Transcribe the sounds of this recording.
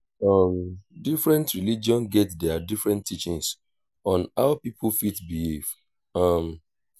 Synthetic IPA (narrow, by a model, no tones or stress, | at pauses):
ʌmdifɹɛ̃ntɹilid͡ʒiɔ̃nɡɛtdɛadifɹɛ̃ntʰːit͡ʃĩŋs | ɔ̃naʊpipʰlfitbihiv̥ | ʌm